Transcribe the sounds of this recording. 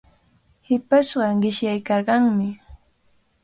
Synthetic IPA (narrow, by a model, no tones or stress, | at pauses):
hɪpaʃɢɑɢɪʃjajkɑɾɢɑŋmɪ